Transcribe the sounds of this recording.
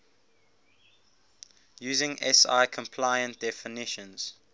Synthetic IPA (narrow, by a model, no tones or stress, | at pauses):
jʉːzɪ̃ŋɛ̰sa̰ɪkʰə̃mpʰlaɪə̃ntd̥ɛfɪnɪʃə̃nz̥